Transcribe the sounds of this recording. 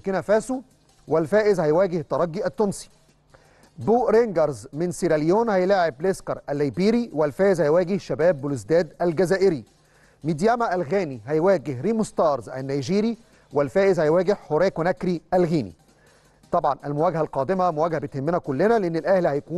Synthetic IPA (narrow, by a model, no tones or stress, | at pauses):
kinæfæːsu | wɪlfæːʔɪzhæjwæːɡɪht̪ɑɾˤɑɡːiʔæt̪ːonsi̥ | buːʔɾeŋɡɑɾˤzmɪnsiɾæljoːnhæjlæːʕebleskɑɾˤʔælːæjbiːɾiwɪlfæːʔɪzhæjwæːɡɪhʃæbæːbːʊluzd̪æːd̪ælɡæzæːʔɪɾi | mid̪jæmæʔælɣæːniɦæjwæːɡɪhɾimost̪ɑːɾˤzʔæ̰nːæjʒiːɾi | wɪlfæːʔɪzhæjwæːɡɪhhoɾeːkwnækɾiʔælɣiːnḭ | t̪ˤɑbʕɑnʔælmʊwæːɡhælqɑːd̪ɪmæmʊwæːɡhæbɪt̪hɪmːenækʊlːɪnæleʔɪnːɪlʔæhlhæjkuːn